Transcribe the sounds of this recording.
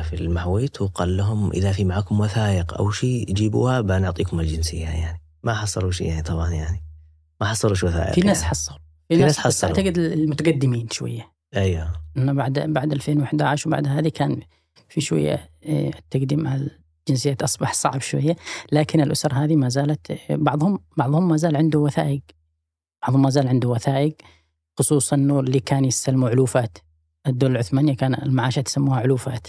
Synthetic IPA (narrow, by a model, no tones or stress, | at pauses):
filmaħwiːt̪wqɑ̰ːlːaɦʊmʔɪ̰ðafimaʕaːkʊmwaθaːʔɪqʔa̰wʃiːd͡ʒiːbṵːhabanʊʕt̪ˤiːkʊmald͡ʒɪnsɪ̰jːajaʕni | maħɑsˤːɑluʃḭjaʕnit̪ˤɑbʕɑnjaʕni | maħɑsˤːɑluʃwaθa̰ːʔɪ̰finaːsħɑsˤːɑlu | finaaːsħɑsˤːʕt̪aɡɪd̪ɪlmʊt̪aɡad̪ːɪmiːnʃwa̰jːa | ʔajwaʔanːabaʕd̪baʕd̪ʔalfeːnwɪħd̪aʕɪʃwba̰ʕd̪ɦaːðikaːn | fiʃwa̰jːa̰t̪ːaɡd̪iːmʕal | d͡ʒɪns̬ɪjːaːt̪ʔɑsˤbɑħsˤɑ̰ʕbʃwa̰jːalaːkɪnɪlʔʊsɑɾˤɦaːðimaːzaːlat̪bɑʕðˤhʊmbɑʕðˤhʊmːaːzaːlʕɪnd̪ʊwaθa̰ːʔɪɡ | b̥ɑʕðˤhʊmːaːzaːlʕɪnd̪ʊwaθaːʔɪɡ | xʊsˤuːsˤɑnːoːlːikaːnjɪsalːmuʕʊluːfaːt̪ | ʔad̪ːoːlalʕʊθmaːnɪjːakaːnɪlmaʕaːʃat̪samːuːhaʕʊluːfa̰ːt̪